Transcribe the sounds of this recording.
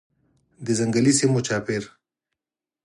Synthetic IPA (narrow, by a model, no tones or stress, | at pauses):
d̪əzaŋɡalisimot͡ʃaːpɪɾ